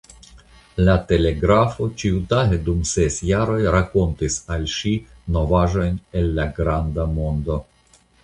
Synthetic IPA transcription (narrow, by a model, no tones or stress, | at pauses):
late̞le̞ɡɾafo̞t͡ʃiutaɦedumse̞sjaɾo̞jɾako̞ntisalʃi | no̞vaʒo̞jne̞lːaɡɾandamo̞ndo̞